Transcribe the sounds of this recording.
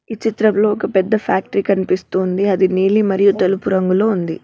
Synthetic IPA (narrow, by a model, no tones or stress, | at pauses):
it͡ʃit̪ɾɐmlo̞ːɔkɐpɛd̪ːɐpʰaːk̚ʈɐɾikɐnipist̪uːnd̪iɐd̪iniːlimɐɾijut̪ɐlupuɾɐŋɡuloːund̪i